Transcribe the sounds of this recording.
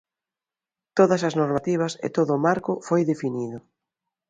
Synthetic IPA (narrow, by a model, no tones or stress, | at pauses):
t̪oðɐsɐznoɾmat̪iβ̞ɐsɪ̰t̪oðʊːmaɾkʊfojðefiniðʊ